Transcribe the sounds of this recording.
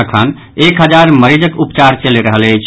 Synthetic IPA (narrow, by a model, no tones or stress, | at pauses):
əkʰən | ekɦəd͡ʒaɾməɾid͡ʒəkupt͡ʃaɾt͡ʃəleɾəɦələjt͡ʃʰ